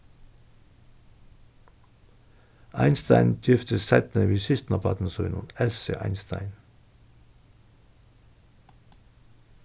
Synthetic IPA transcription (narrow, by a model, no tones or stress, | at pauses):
ʔæ̰ɪnst̪æ̰ɪnd̪̥ɪft̪ʰəsɛt̪nəʋiːsɪst̪nɑpʰɑt̪n̩sœːnʊ̰nɛlsə̰ʔæ̰ɪnst̪æ̰ɪn